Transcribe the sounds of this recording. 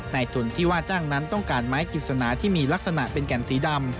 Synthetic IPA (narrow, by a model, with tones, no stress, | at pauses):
naː˧jt̪ʰu˨˩nt̪ʰiː˥˩waː˥˩t͡ɕaː˥˩ŋna˦˥nt̪ɔ˥˩ŋkaː˧nmaː˦˥jki˨˩t̪̚sa˧naː˩˦t̪ʰiː˥˩miː˧la˦˥k̚sa˧na˨˩ʔpe˧nkɛ˨˩nsiː˩˦da˧m